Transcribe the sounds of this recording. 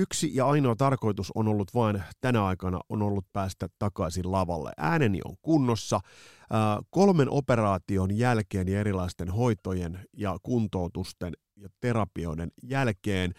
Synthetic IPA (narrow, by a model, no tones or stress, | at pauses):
yksijɑɑinoːt̪ɑrko̞jt̪uso̰no̞lːut̪ʋɑːnt̪ænæɑikɑnɑ̰ʔono̞lːut̪̚pæːst̪æt̪ɑkɑisillɑʋɑlːḛʔæːnenḭʔo̰ŋkunːosːɑː | ko̞lme̞nʔo̞pe̞rɑːt̪io̞njælkeːnjɑe̞ɾilɑist̪e̞nɦo̞it̪o̞jenjɑkunt̪o̞ut̪ust̪en | jɑt̪e̞ɾɑpio̞̰denjælkeːn